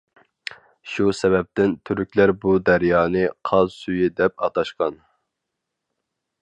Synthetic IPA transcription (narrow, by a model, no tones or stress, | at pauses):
ʃusɛbɛp̚t̪ɪnt̪ʰyɾykʲlæɾbud̪æɾjɑːnɨqʰɑzsyjid̪ɛp̚ɑt̪ɑʃqɑn